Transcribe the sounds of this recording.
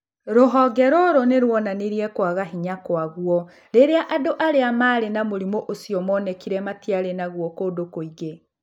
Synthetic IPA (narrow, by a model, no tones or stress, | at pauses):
ɾoɦɔɡɛɾɔɾoneɾwɔnaneɾiɛkwaɣaɦiɲakwaɣuɔ | ɾeɾeaʔadoʔaɾeamaːɾenamoɾimoʔosiɔmɔːnɛkiɾɛmatiaɾenaɣwɔkoːdokoiɣe